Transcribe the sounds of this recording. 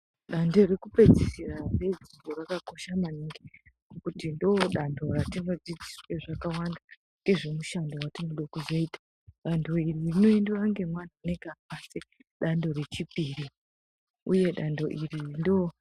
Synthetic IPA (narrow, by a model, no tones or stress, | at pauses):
ɗando̞rekupe̞d͡zisirared͡ziborakako̞ʃamaniŋɡe | okutindoɗandʱo̞ratiŋɡod͡zid͡zisoeʐakawanda | ŋɡe̞ʐemuʃandowatinoɗokuzoiːtḁ | ɗando̞iririno̞endoaŋɡe̞mwan̤aane̞kapase | ɗando̞re̞t͡ʃipiri | uje̞ɗando̞ʔirirndo